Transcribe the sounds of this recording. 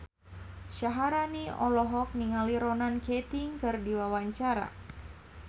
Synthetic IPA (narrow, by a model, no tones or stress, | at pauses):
ʃaɦaɾaniɔlɔɦɔk̚niŋaliɾɔnankɛt̪iŋkɨrdiwawaɲt͡ʃaɾa̰